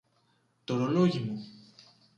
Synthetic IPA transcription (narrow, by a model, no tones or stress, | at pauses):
t̪oɾoloʝimu